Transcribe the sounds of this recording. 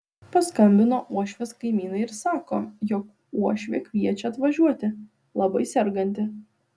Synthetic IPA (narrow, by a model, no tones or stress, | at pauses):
pɐskɐmʲbʲɪnoːʔuɔʃʲʋʲeːskɐɪmʲiːnɐɪɪɾsɑːkoːjɔk | uɔʃʲʋʲḛːkʲʋʲiɛt͡ʃʲɛɐt̪ʋɐʒʲuɔt̪ʲɪ | lˠɐbɐɪsʲɛɾɡɐnʲt̪ʲɪ